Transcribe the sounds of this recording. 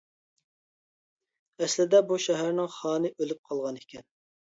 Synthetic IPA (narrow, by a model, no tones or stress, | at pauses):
ɛslɪd̪ɛbuʃɛɦæɾnɪŋχɑːnɨʔølyp̚qʰɑlˠʁɑnekʲʰɛn